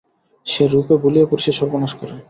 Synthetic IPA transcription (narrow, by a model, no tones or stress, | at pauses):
ʃeɾupebuliepuɾiʃeʃɔɾbonaʃkɔɾe